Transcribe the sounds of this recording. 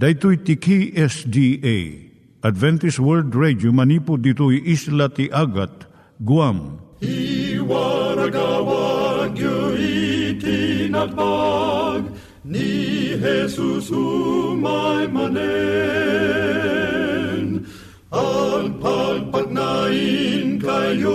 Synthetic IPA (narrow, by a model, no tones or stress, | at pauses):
d̪ajt̪ujt̪ikʰiʔɛsd̪iej | ɐd̪vɛnt̪iswɛld̪ɹɛd͡ʒjomɐnipʊd̪it̪ujʔislat̪iʔaɡat̪̚ | ɡuamiwaɾɐɡawaɡjoit̪ʰinɐt̪̚paɡ | niɦɛsusumajmɐne | n | alpʰalpɐɡ̚nainkajjo